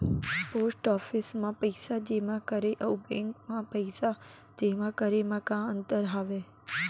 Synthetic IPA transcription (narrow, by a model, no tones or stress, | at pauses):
posʈɔfɪsmãpəɪsad͡ʒemãkəɾeʔəubẽŋkmãpəisa | d͡ʒemãkəɾemãkãːə̃nt̪əɾɦaːʋe